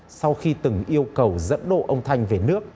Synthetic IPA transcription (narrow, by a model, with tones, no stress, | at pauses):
sa˧wxi˧t̪ɨ˨˩ŋʔi˧əwkə˨˩wzə̰˧˥nɗo̰˧˨ʔə˧wŋ͡mt̪ʰa˧jŋ̟ve˨˩nɨ˦˥ək̚